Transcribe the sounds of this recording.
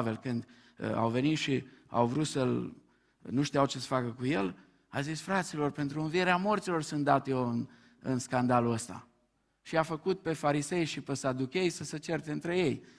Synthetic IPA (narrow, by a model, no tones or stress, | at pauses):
ve̞lkɨnd̪̰ | a̰wve̞nit̪ʃia̰wvɾut̪səl | nuʃt̪ijawt͡ʃesə̥fakəkuje̞l | azisfɾat̪silo̞rpe̞nt̪ɾuɨnvieɾeamo̞rt̪silo̞rsɨnt̪d̪at̪joɨn | ɨ̰nskand̪aluəst̪a̰ | ʃiafəkut̪̚pe̞faɾise̞jʃipesad̪ukʲe̞jsəsət͡ʃe̞rt̪eɨnt̪ɾe̞je̞j